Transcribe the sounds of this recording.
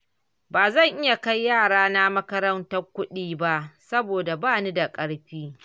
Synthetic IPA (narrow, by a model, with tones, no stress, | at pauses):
baː˨zɐ˦˨ŋʔɪ˦ja˨ka˦jːaː˦˨ɽaː˦na˦mɐ˦kɐ˦ɾɐ˦ntɐ˦rkʷʊ˦ɗiː˨ba˦ʔsɐ˦boː˨da˨baː˦˨ni˦da˨kʼɐ˦ɽɸiː˦